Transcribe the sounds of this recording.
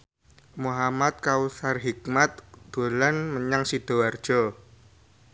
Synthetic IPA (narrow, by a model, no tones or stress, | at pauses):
muɦamat̪̚kausarɦik̚mat̪̚d̪̥olanməɲaŋsid̪̥o̤ward̥ʒ̥ɔ